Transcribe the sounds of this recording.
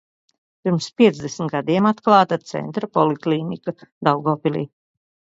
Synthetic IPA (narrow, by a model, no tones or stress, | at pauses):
piɾmspʲiɛd̪zd̪ɛsn̩t̪ɡad̪iɛmat̪klˠɑːt̪at̪sɛ̰nt̪ɾɐpɔlˠikliːnikad̪awɡɔːpilʲḭː